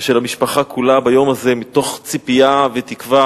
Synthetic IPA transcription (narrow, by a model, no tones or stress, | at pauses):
ʃelhamiʃpaχakʰulabajo̞mazemit̪o̞χt͡sipijavet̪ikva